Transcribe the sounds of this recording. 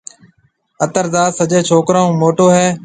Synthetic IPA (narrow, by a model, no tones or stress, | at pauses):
ət̪əɾzaːsəd͡ʒeːt͡ʃʰoːkɾãːũːmoːʈoːɦɛː